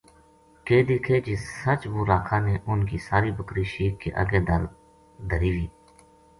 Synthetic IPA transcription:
keːd̪iːkʰeːd͡ʒiːsət͡ʃʋoːɾaːkʰãːneːʔʊnkiːsaːɾiːbəkɾiːʃiːkːḛːʔə̰ɡeːd̪əɾ | d̪ʱəɾiːʋiː

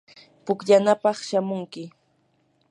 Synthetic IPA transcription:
pʊkʎanapɑχʃamʊŋkɪ

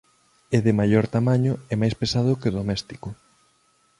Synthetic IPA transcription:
eðɪmaʎɔɾt̪amaɲʊɛmajspesað̞ʊkeðomɛst̪i̥kʊ

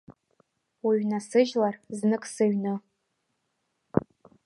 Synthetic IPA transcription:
wiɥnasɨʒlarznɨkʼsɨɥnɨ

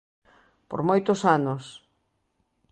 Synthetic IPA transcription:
po̰ɾmojt̪ʊsanos

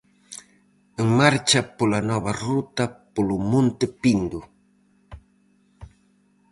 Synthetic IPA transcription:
ɪŋmaɾt͡ʃapʊlanɔβarʊt̪apʊlʊmʊnt̪ɪpind̪ʊ

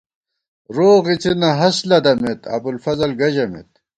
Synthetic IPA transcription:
ɾoːɣit͡sinɐɦɐslɐd̪ɐmet̪ɐ̰bulfɐzɐlɡɐʑɐmḛt̪̚

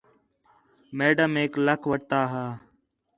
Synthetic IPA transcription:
meːɖəmeːkləkʰʋəʈ̚t̪aːɦaː

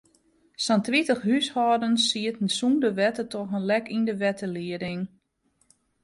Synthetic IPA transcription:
sɔntritəxɦyshɔdənsiətn̩sundəʋɛtətʰɔxənlɛkindəʋɛtəliədɪŋ

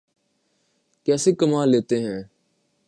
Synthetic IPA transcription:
kɛːseːkəmãːleːt̪eːɦɛ̃ː

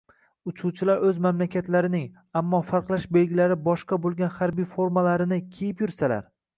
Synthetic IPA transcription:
ʊt͡ʃʰut͡ʃʰɪlaɾɵzmamlakʲʰat̪laɾɪnɪŋ | amːɒfaɾqlˠaʃbe̞lɡʲɪlaɾɪbɒʃqɑbolˠɡʲanhaɾbijfoɾmalaɾɪnɪkʲʰejɪpjʊɾsala̰ɾ

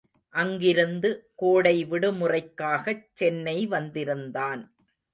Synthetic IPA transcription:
ʔɐŋɡɪɾɯnd̪ɯkoːɽɐɪʋɪɽɯmʊrɐɪkːaːɣɐt͡ʃːɛnːɐɪʋɐnd̪ɪɾɯnd̪aːn

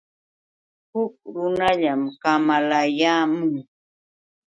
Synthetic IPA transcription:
hʊk̚ɾʊnaʎamkamalajaːmʊŋ

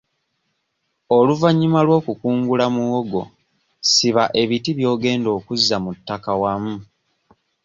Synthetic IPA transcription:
oluvaɲːimalwo̞ːkukuːŋɡulamuɣoɡo̞̰ | siβaʔe̞βitiβjo̞ːɡe̞ːndo̞ːkuzːamutːakawamu

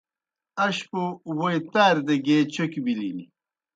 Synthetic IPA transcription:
ɐɕpowojt̪aːɾd̪eɡet͡ɕokibilinḭ

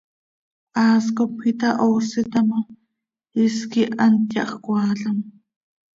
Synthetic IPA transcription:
aːskopit̪aʔosɪt̪ama | ɪskiʔant̪jɑ̰χkʷaːɮam

